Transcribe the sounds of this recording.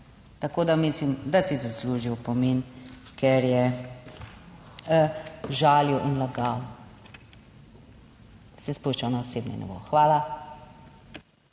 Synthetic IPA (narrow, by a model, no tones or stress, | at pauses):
t̪akoːd̪amislimd̪asizasluːʒiwpɔmenkɛɾjɛ | ʒaːljiwʔinlaɡaw | sɛspuʃt͡ʃawnaɔseːbnɛ̰nɛ̰bo̰xʋaːla